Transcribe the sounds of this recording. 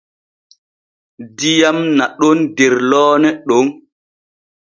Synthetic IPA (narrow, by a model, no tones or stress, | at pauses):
dijamnaɗɔndɛɾlɔːnɛɗoŋ